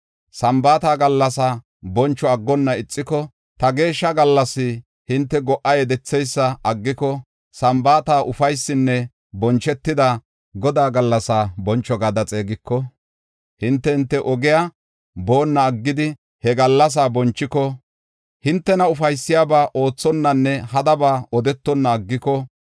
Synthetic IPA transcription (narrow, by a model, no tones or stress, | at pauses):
sɐmbaːt̪aːɡɐlːɐsaː | bɔnt͡ʃːɔɐɡːɔnːɐɪt͡sʼːɪkɔ | t̪ɐɡe̞ːʃːɐɡɐlːɐsːɪ | hɪnt̪ːɛɡɔʔːɐjɛd̪ɛt͡sːɛjsːɐɐɡːɪkɔ | sɐmbaːt̪aːʔʊfɐjsːɪnːɛ | bɔnt͡ʃːɛt̪ːɪd̪ɐ | ɡɔd̪aːɡɐlːɐsaːbɔnt͡ʃːɔɡɐd̪ɐt͡sʼeːɡɪkːɔ | hɪnt̪ːɛhɪnt̪ːɛʔɔɡɪja | boːnːɐːɡːɪd̪ɪ | hɛɡɐlːɐs̬aːbɔnt͡ʃːɪkɔ | hɪnt̪ːɛnɐʊfɐjsːɪjaːbaːʔo̞ːt͡sːɔnːɐnːɛhɐd̪ɐbaːɔd̪ɛt̪ːɔnːɐːɡːɪkɔ